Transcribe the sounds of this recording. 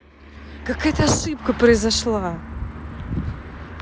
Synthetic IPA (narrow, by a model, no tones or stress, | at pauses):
kɐkɐt̪asipkɨpɾezɐʃlˠa